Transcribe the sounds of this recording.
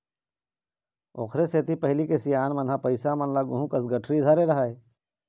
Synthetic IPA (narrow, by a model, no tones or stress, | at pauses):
o̰ːkʰɾeseːt̪ipɐɦlikesijaːnmɐnɦapɐɪsamɐnlaɡʊɦũkɐsɡɐʈʰɾid̪ʱaːɾeɾɐɦaːe